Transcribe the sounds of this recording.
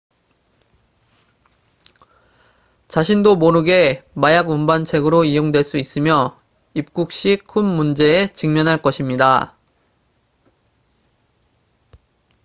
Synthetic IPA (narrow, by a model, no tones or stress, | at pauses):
t͡ɕaɕʰindomoɾɯɡe̞majaɡumbant͡ɕʰe̞ɡɯɾoijoŋdwe̞ɭs͈uis͈ɯmjʌ | ip̚k͈uk̚ɕ͈ikʰunːund͡ʑe̞ːt͡ɕɯŋmjʌnɦaɭk͈ʌɕʰimɲida